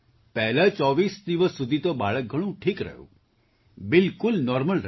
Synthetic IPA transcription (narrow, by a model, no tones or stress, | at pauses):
pɛɦlət͡ʃɔːʋiːsd̪iʋəsːud̪ʱit̪oba̰ːɭək̚ɡʱəɽ̃ũːʈʰiːkɾə̰jṵː | bɪlkʊlnɔːɾməlɾ